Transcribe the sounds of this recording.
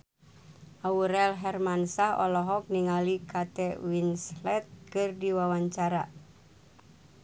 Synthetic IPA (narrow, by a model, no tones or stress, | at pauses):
ʔauɾɛlɦɛrmansahɔ̰lɔɦɔk̚niŋalikat̪ɛwinslɛt̪̚kɨrdiwawaɲt͡ʃaɾa